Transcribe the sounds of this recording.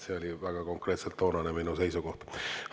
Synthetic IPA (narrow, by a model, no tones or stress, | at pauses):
se̞o̞lʲivæɡ̥ɑko̞ŋkre̞ːt̪selt̪ːo̞ːnɑneminuse̞jsuko̞ht̪h